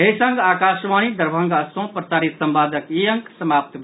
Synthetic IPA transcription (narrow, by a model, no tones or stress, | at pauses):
ɦesəŋɡaːkaʃʋañid̪əɾbʱəŋɡəsõpɾəsaɾit̪səmbaːd̪əkijəŋksəmap̚t̪